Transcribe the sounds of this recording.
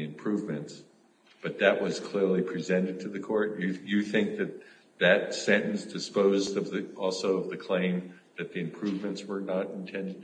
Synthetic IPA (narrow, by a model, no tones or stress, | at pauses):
ɨ̃mpʰɹ̥ʉvmɨ̃nts | b̥ʌt̪̚ðɨʔ̚wʌz̥kʰl̥ɪɹlˠipʰɹ̥izɛ̃ɾ̃ɨd̚tʰɨðɨkʰɔɹt̚ɨjɨθɪ̃ŋk̚ðɨt̪̚ | ðɨt̚sɛ̃ɾ̃ɨ̃nsd̥ɨspoʊzdʌvðɨʔɔlˠsoʊʌvðɨkʰl̥ẽɪ̃m | ðɨt̪̚ðiɨ̃mpʰɹ̥ʉvmɨ̃ntswə˞nəɾɨ̃n̩tʰɛ̃ndɨ